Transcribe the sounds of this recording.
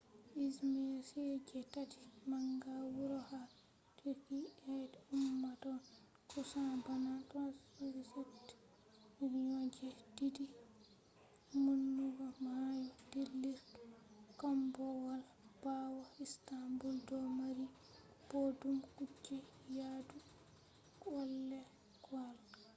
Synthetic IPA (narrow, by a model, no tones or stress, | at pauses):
ʔismisɛd͡ʒɛtati̥maŋɡawuɾɔha | tuɾkiɛdumːatɔn | kusabanatasaɾisetː | miɾɲɔd͡ʒɛdidi | munːuɡɔmajɔdilːiɾtukambɔwalab̥awaistambuldɔmaɾi | b̥odumkud͡ʒːɛ | jadu | kɔlːɛ | kwalka